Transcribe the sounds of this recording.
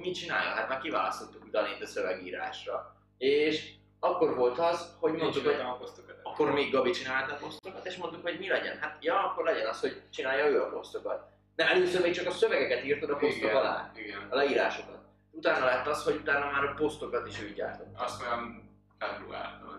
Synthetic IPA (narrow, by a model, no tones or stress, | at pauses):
mit͡ʃina̰ːjɒ̰ɦat̪maːrkiva̰ːlɒst̪o̞t̪ːukut̪ɒnet̪ːɒsøvɛɡḭːɾa̰ːʃrɒ | eːʃ | ɒkːo̞rvo̞lt̪ɒzho̞ɟmont̪ukhopost̪okɒkːo̞rmeːɡːɒbit͡ʃinaːt̪ɒpo̞st̪okɒt̪eːʃmo̞nt̪ukho̞ɟmilɛɟɛ̰nɦat̪jɒɒkːo̞rlɛɟɛnɒsho̞ɟt͡ʃinaːjɒøːɒpo̞st̪o̞kɒt̪̚ | d̪ɛɛløːsøɾmeːk̚t͡ʃɒkɒsøvɛɡɛkɛt̪iːrt̪od̪ɒpo̞sokɒlɛ̰ːiɡɛnlɛiːɾa̰ːʃo̞kɒt̪ | ut̪aːnɒlɛɦɛt̪ɒsho̞ɟut̪aːnːɒmaːɾpo̞st̪o̞kɒt̪iʃøːɟɟa̰ːrt̪o̞t̪ːsɛm | kɛd̪ula̰ːt̪ɒ̰